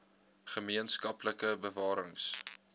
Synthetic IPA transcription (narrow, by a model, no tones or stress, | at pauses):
χəmiənskɐpləkəbəvɑːɾəŋs